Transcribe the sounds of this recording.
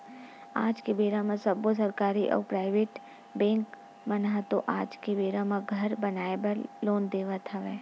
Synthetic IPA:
aːd͡ʒkebeːɾãmãsɐbosɐɾkaːɾiʔɔ̰ːɾpɾaːɪʋeːʈ | bɛ̃ːŋk | mɐnaɦt̪oʔaːd͡ʒkebeːɾãmãɡʱɐɾbɐnaːebɐɾloːnd̪eːʋət̪ʰaʋɛː

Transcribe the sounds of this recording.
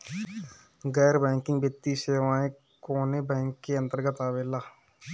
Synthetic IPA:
ɡɛːɾbɛ̃ːŋkɪ̃ŋɡbɪt̪ːiːseːʋãːẽ | koːneːbɛ̃ːŋkːeːə̃nt̪əɾɡət̪aːʋeːlaː

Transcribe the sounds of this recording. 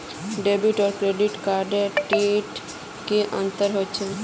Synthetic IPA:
ɖeːbuʈɔːɾkɾeːɖɪʈkaːɾɖeʈeːʈ | keʔə̰̃nt̪əɾɦot͡ʃʰɛ

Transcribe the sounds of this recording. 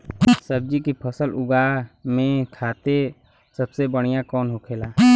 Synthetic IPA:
səb̚d͡ʒikipʰəsəlʊɡaːmẽt̪ʰaːt̪e | səbsebəɽ̃ijãkɔːnɦokʰeːlaː

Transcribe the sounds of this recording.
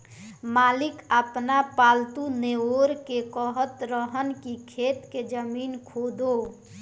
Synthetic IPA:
maːlɪkəpnapaːlt̪uneoɾkekəɦət̪ɾəɦənkikʰeːt̪ked͡ʒəmiːnkʰoːd̪o

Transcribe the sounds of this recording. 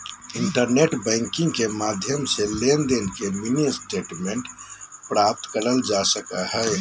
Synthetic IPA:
iɳʈəɾneʈbə̃ɪŋkĩŋɡkemad̪ʱjəmselend̪enkeminisʈeʈmeɳʈpɾap̚t̪kəɾəld͡ʒasəkəɦə

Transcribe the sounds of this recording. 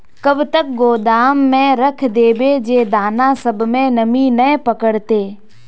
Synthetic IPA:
kɐbʱt̪ək̚ɡoːd̪aːmːẽɾɐkʰd̪eːbed͡ʑeːd̪aːnãsɐbʱmẽnɐminɐ̃pɐkəɽt̪eː

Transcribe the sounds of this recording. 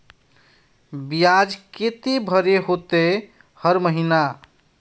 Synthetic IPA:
bijad͡ʒket̪ebʱəɾeɦot̪e | həɾməɦina

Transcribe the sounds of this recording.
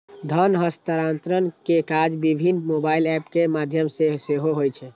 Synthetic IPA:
d̪ʱənɦəst̪əɾant̪ɾənkekad͡ʒbibʱinmobailɛpkemad̪ʱjəmseseɦoɦojt͡ʃʰɛ

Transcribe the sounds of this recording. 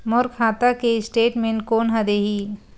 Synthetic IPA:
moɾkʰaːt̪akeɪsʈeːʈmẽnkoːnɦɐd̪eɦiː

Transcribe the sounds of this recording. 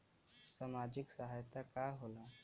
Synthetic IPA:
samad͡ʑiksaɦajt̪akaɦola

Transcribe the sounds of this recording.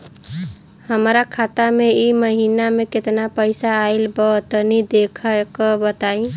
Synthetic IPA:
həmɾakʰat̪ameiməɦinameket̪napəɪsaːɪlbət̪ənid̪ekʰəkəbət̪aĩ

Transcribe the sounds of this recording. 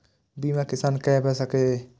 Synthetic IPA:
bimãkɪsaːnkɛbɛsake

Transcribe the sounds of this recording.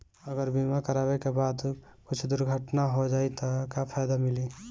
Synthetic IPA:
əɡəɾbimakəɾaːbekebaːd̪kʊt͡ʃʰd̪ʊɾɡʱəʈnaɦod͡ʒaːit̪ɔkapʰaːjd̪amɪli

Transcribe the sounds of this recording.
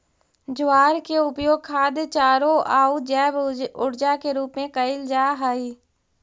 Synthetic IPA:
d͡ʒʊaːɾkeʊpjoːɡ̚kʰaːd̪jt͡ʃaːɾoʔaːud͡ʒɛːbʊɾd͡ʒakeɾuːpmẽkəɪld͡ʒaːɦaːiː

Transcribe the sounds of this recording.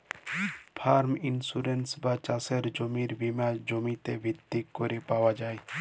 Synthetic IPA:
pʰaɾminsuɾensbat͡ʃaseɾd͡ʒomiɾbimad͡ʒomit̪ebʱit̪ːikːoɾepawad͡ʒae

